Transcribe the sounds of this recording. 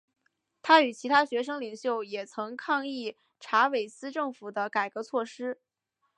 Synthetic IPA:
t̪ʰa˥y˨˩t͡ɕʰi˧˥t̪ʰa˥ɕɥɛ˧˥ʂ̬ɤ˥ŋli˨˩ŋɕjo˥˩ʊjɛ˨˩t͡sʰɤ˧˥ŋkʰɑ˥˧ŋi˥˩ | ʈ͡ʂʰa˧˥we˨˩ɪsɹ̩˥ʈ͡ʂɤ˥˩ŋfu˨˩d̪ə˦ka˨˩ɪkɤ˧˥t͡sʰwɔ˥˩ʂɻ̩˥

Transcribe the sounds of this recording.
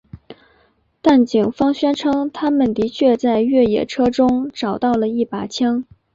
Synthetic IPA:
t̪a˥˩nt͡ɕi˨˩ŋfɑ˥ŋɕɥɛ˥nʈ͡ʂʰɤ˥ŋt̪ʰa˥mə˨nt̪i˧˥t͡ɕʰɥɛ˥˧t͡sa˥˧ɪɥɛ˥˩jɛ̰˨˩ʈ͡ʂʰɤ˥ʈ͡ʂʊ˥ŋʈ͡ʂɑ˨˩ʊt̪ɑ˥˩ʊlə˩i˥˩pa˨˩t͡ɕʰjɑ˥ŋ

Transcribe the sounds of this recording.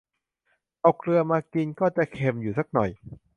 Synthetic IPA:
ʔa˧wkʰlɯ˧ɐmaː˧ki˧nkɔː˥˩t͡ɕa˨˩kʰe˧mjuː˨˩sa˦˥k̚nɔ˨˩j

